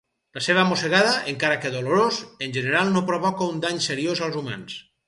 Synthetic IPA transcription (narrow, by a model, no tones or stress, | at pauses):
laseβ̞amoseɣaðaʔeŋkaɾakeðoloɾozenʲʒeneɾalˠnopɾoβɔkaund̪aɲseɾiozalˠzuma̰ns